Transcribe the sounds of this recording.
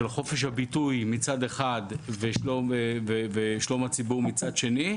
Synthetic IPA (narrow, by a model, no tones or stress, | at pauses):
elχo̞fe̞ʃ̬habitujmit͡sad̪eχadveʃlomveveʃlo̞mhat͡sibuʁmit͡sadʃe̞ni